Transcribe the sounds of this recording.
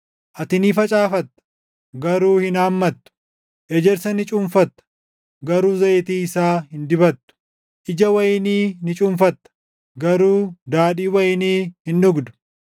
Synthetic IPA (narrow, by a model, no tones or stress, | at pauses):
ʔɐt̪ɪniːfɐt͡ʃʼaːfɐt̪ːɐ̥ | ɡɐɾuːhɪnaːmːɐt̪ːʊ̥ | ʔɛd͡ʒɛɾsɐnɪt͡ʃʼʊmfɐt̪ːɐ̥ | ɡɐɾuːzɐt̪iːɪsaːhɪnd̪ɪbɐt̪ːʊ̥ | ʔɪd͡ʒɐwɐjɪniːnɪt͡ʃʼʊmfɐt̪ːɐ̥ | ɡɐɾuːd̪aːᶑiːwɐjɪniːhɪnːʊɡd̪ʊ̥